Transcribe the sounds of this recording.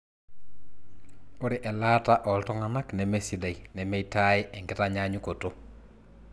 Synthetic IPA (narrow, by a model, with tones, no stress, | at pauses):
o˦ɾe˨ʔɛ˨la˦ta˦ʔɔ˨ltɔ˦ŋa˨na˦knɛ˨me˦si˨de˨i˨nɛ˨me˦ita˦ɪ˦ʔɛ˨ŋɡɪ˦ta˦ɲa˦ɲu˦ko˨to˦